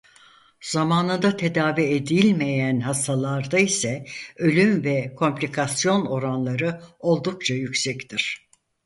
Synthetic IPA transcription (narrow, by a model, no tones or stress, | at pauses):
z̥amaːnɯnd̪at̪ʰe̞d̪aːvied̪ilʲme̞jænhast̪ʰalˠaɾd̪aisɛø̞lʲymvɛkʰo̞mplʲikʰasjo̞no̞ɾanlˠaɾɯo̞lˠd̪uk̚t͡ʃʰajycʲsɛct̪ʰiɾ̥